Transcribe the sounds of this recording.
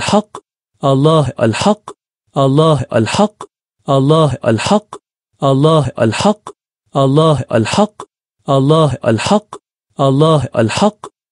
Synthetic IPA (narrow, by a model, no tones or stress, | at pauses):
ħɑqː | ʔɑlˤːɑːɦʔa̰lħɑ | ʔɑlˤːɑːɦʔa̰lħɑqː | ʔɑlˤːɑːɦʔa̰lħɑqː | ʔɑlˤːɑːɦʔa̰lħɑqː | ʔɑlˤːɑːɦʔa̰lħɑ | ʔɑlˤːɑːɦʔa̰lħɑqː | ʔɑlˤːɑːɦʔa̰lħɑqː